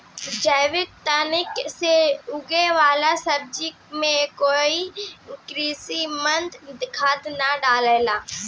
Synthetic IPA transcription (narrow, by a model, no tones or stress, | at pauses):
d͡ʒəjʋɪk̚t̪ɐnɪkseʊɡeʋaːlasɐb̚d͡ʒi | mẽkoːikɾiːsimɐ̃nd̪d̪ɪkʰaːd̪naɖaːlelaː